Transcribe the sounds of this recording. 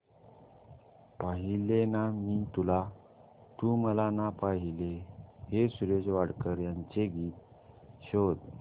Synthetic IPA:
paɦilenamiːt̪ula | t̪uməlanapaɦilehesuɾed͡zʋaɽkəɾjaɲt͡ɕeɡiːt̪ | ɕod̪

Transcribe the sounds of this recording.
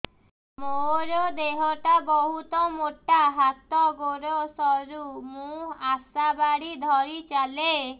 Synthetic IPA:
moɾɔd̪eɦɔʈabɔɦut̪ɔmoʈaɦat̪ɔɡoɾosɔɾumũasabaɽid̪ʱɔɾit͡ʃale

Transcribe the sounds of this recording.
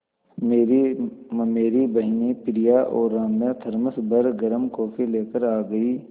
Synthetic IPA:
meːɾimmeːɾibɐɦnipɪɽijaʔɔːɾːãːmjat̪ʰɐɾməsbəɾɡɐɾəmkɔːfʰileːkəɾaːɡəiː

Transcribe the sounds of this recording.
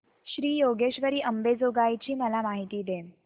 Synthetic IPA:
ɕɾiːjoɡeɕʋəɾiːʔəmbed͡zoɡajt͡ɕiːməlamaɦit̪iːd̪e

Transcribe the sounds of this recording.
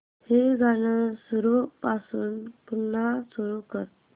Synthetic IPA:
heɡʱanəsuɾupasuːnpunːasuɾukəɾt̪

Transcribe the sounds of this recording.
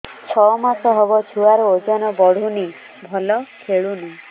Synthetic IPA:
t͡ʃʰɔmasɔɦɔbɔt͡ʃʰuwaɾɔod͡ʒɔnɔbɔɽ̤ʱuni | bʱɔlɔkʰeɭuna

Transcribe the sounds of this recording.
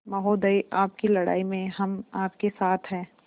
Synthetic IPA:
mɐɦoːd̪əiʔaːpkilɐɽa̰ːimẽɦɐmaːp̚kesaːt̪ʰɦɛ̃ː

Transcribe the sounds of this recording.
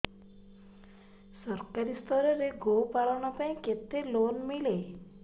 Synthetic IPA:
sɔɾkaɾist̪ʰɔɾɔɾeɡopaɭɔʋɳɔpãĩket̪elonmile

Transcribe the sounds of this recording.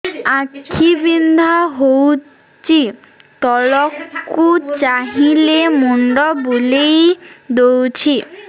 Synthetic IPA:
akʰːibind̪ʱaɦow | t͡ɕi | t̪ɔlɔkːut͡ɕaɦilemoɳɖɔbulejd̪owt͡ɕʰi

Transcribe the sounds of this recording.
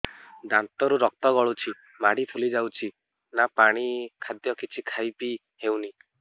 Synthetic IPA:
d̪ant̪ɔɾuɾɔk̚t̪ɔɡɔɭut͡ʃʰi | maɽipʰulid͡ʒawt͡ʃʰi | napaɽ̃ikʰad̪jɔkit͡ʃʰikʰajpi | hewni

